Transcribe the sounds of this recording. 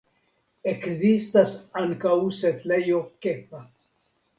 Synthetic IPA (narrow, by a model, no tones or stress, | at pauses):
ekðist̪asaŋkauset̪lejokepa